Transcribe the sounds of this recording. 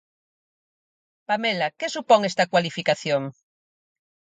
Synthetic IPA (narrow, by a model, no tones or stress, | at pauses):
pamelakesupoŋest̪akwalifikaθjoŋ